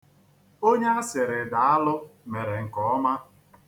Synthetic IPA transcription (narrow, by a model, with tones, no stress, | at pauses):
o˦ɲe˦a˦sɪ˨ɾɪ˨da˨a˦lʊ˦me˨ɾe˨ŋ̩˨kɔ˨ɔ˦ma˦